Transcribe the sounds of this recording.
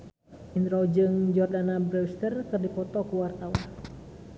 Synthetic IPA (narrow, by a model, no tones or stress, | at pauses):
ʔint̪ɾɔd͡ʒɨŋd͡ʒɔrdanabɾɛst̪ərkɨrdipɔt̪ɔkuwart̪awan